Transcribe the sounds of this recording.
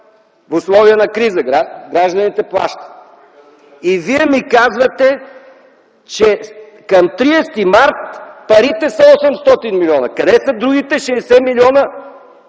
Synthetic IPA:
fʊslˠɔviənɐkɾizəɡɾaɡɾaʒd̪ɐnit̪ɛplˠa̰ʃt̪ə̥ | iviɛmikazvɐt̪ɛ | t͡ʃɛ | kɐmt̪ɾiɛst̪imaɾt̪pɐɾit̪ɛsɐɔsɛmst̪ɔt̪inmilʲiɔnɐkɐd̪ɛsɐd̪ɾuɡ̟it̪ɛʃɛːsɛmiliɔnə

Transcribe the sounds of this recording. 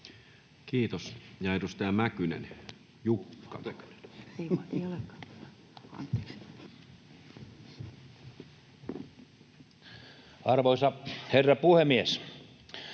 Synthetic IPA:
kiːt̪osjɑedust̪æːmækynḛn | jukːɑ̰ky̥ne̥neieolekːɑ̥ː | ɑ̰nt̪e̥ːks | ɑrʋoisɑherːɑpuhemies

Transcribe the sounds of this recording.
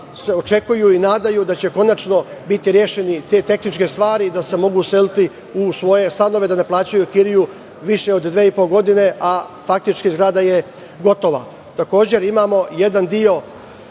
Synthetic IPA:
se̞o̞t͡ʃe̞kujuinaːd̪ajud̪at͡ɕe̞ko̞nat͡ʃno̞bit̪iɾjeːʃe̞nit̪e̞ːt̪e̞xnit͡ʃke̞st̪ʋaːɾid̪ase̞mo̞ɡuse̞lit̪i | usʋo̞je̞st̪ano̞ʋe̞d̪ane̞plˠaːt͡ɕajukiɾiju | ʋiʃe̞o̞d̪d̪ʋeːipo̞lɡo̞d̪ine̞ʔafak̚t̪it͡ʃkizɡɾaːd̪aje | ɡo̞t̪o̞ʋa̰ | t̪ako̞ːd͡ʑe̞ɾimaːmo̞je̞d̪and̪io̞

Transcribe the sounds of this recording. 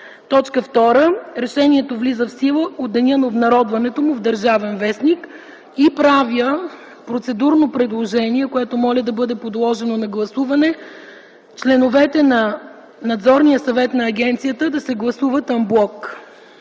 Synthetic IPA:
t̪ɔt͡ʃkəft̪ɔɾəɾɛʃɛniɛt̪ovlizəfsilˠəod̪ːɐnʲənɐobnɐɾɔd̪vɐnɛt̪omʊvd̪ɐɾʒavɛnvɛsnik | ipɾaviə | pɾot̪sɛd̪uɾnopɾɛd̪lˠoʒɛniɛkoɛt̪omɔlʲəd̪ɐbɤd̪ɛpod̪lˠɔʒɛnonɐɡlˠɐsuvɐnɛ | t͡ʃlɛnovɛt̪ɛnɐ | nɐd̪zɔɾnijəsɐvɛt̪nɐːɡʲɛnt̪sijət̪əd̪ɐsɛɡlˠɐsuvət̪ɐmblˠɔk

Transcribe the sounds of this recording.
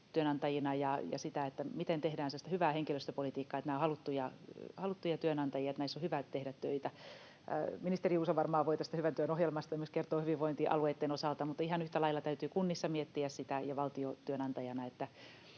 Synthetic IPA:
t̪yønɑnt̪ɑjinɑjɑjɑ̰sit̪æet̪ːæmit̪ent̪ehdæːnsesi̥t̪æhyʋæːheŋkiløst̪øpolit̪iːkːɑːet̪næːohɑlut̪ːujɑhɑlut̪ːujɑt̪yønɑnt̪ɑjiɑet̪næisːohyʋæt̪ehdæt̪tøit̪æ̰ | minist̪eriuːsoʋɑrmɑːʋoit̪æst̪æhyʋænt̪yønohjelmɑst̪ɑjɑmyskert̪oːhyʋiʋʋoint̪iʔɑ̰lueːt̪ːenosɑlt̪ɑmut̪ːˑɑihɑnyht̪ælɑilɑt̪æyt̪yːkunːisːɑmiet̪ːiæssit̪æjɑʋɑlt̪iot̪yønɑnt̪ɑjɑnɑet̪ːæ

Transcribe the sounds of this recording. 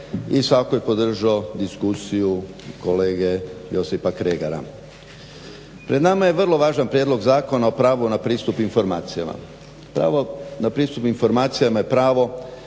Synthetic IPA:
isʋakojepo̞d̪r̩ʒaod̪iskusiju | ko̞le̞ːɡe̞jo̞sipakɾeːɡaɾa̰ | pɾe̞d̪namaje̞ʋrlˠo̞ʋaːʒanpɾjed̪lo̞ɡzaːko̞nao̞pɾaːʋonapɾiːst̪upinfo̞ɾmaːt̪sijama̰ | pɾa̰onapɾiːst̪upinfo̞ɾmaːt̪sijamaje̞pɾaːʋo̞

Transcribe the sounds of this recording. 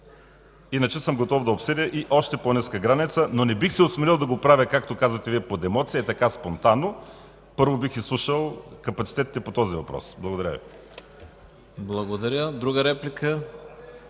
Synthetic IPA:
inɐt͡ʃɛsəmɡot̪ɔvd̪ɐopsədʲəʔiʔɔʃt̪ɛponiskəɡɾanit̪sənonɛbixsɛosmɛɾilˠd̪ɐɡopɾavʲəkak̚t̪okazvɐt̪ɛviɛpod̪ɛmɔt̪siəɛt̪ɐkaspont̪anːo | pɤɾvobixislˠuʃəlˠkɐpɐt̪si̥t̪ɛt̪it̪ɛpot̪ɔzivɐpɾɔ̰sblˠɐɡod̪ɐɾʲə̰vḭ | blˠɐɡod̪ɐɾʲəd̪ɾuɡəɾɛplʲikə

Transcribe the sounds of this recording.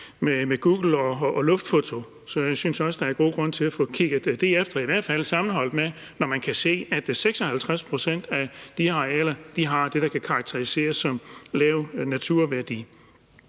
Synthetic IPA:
memeɡ̥uːɡ̥l̩ɒːlɔ̽fd̥fo̝t͡sʰo̝ | sɒ̽jɑ̈ɪsynsɒ̽sd̥ɑ̈æɐɡ̥o̝̰ːɡ̥ʁɔ̽n̰t͡sʰe̝læfɔ̰̽ːkʰiɡ̥ð̩ˠd̥d̥e̝efd̥ɐiʋæɐ̰d̥fæl̰sɑ̈mn̩ɦɒ̽l̰d̥me | nɒmænkʰæse̝̰ːæd̥seɡ̥sɒ̽hælt͡sʰʁaspʰʁo̝sen̰d̥æd̥iɑɛlɐd̥iɦɑ̈d̥e̝ɾ̥ɑkʰækʰɑ̈ɡ̥̚t͡sʰeʁise̝̰ːɐsɒ̽mlɛːʊnæt͡sʰuɐ̰ʋæɐd̥ḭː

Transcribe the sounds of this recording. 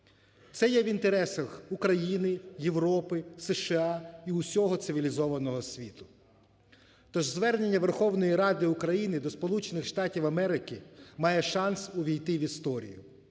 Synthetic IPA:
t̪sɛjɛʋʲint̪eɾɛsɐxukɾɐjinɪjeʋɾɔpɪsɛʃɪɑiʊsʲɔɦɔt̪sɪʋʲilʲizɔʋɐnɔɦɔsʲʋʲit̪ʊ̥ | t̪ɔʒzʋɛrnenʲːɐʋerxɔwnɔjiɾɑd̪ɪʊkɾɐjinɪd̪ɔspɔlˠut͡ʃenɪxʃt̪ɑtʲiwɐmɛɾɪkɪmɑjɛʃɑnsʊʋʲijt̪ɪʋʲist̪ɔɾʲḭjʊ̰

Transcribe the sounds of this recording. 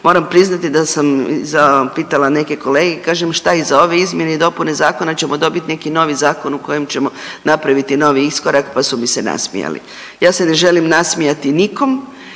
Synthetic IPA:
mo̞ːɾampɾiznat̪id̪asam̰zapiːt̪alane̞ke̞ko̞le̞ːɡekaːʒemʃt̪aizao̞ʋe̞izmje̞neid̪o̞pune̞zaːko̞nat͡ɕe̞mo̞d̪o̞bit̪ne̞kino̞ʋizaːko̞nuko̞jemt͡ɕe̞mo̞napɾaʋit̪ino̞ːʋiisko̞ɾakpasumise̞na̰smḭja̰lḭ | jaːse̞ne̞ʒe̞limnasmijat̪iniko̞m

